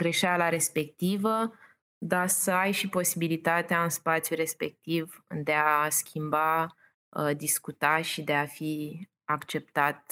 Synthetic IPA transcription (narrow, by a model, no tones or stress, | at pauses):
ɡ̥ɾe̞ʃalaɾe̞spe̞k̚t̪ivə | d̪asəajʃipo̞sibilit̪at̪eaɨnspat̪sjuɾe̞spe̞k̚t̪ivd̪e̞askʲʰimba | d̪iskut̪aʃid̪e̞afi | akt͡ʃe̞p̚t̪at̪̚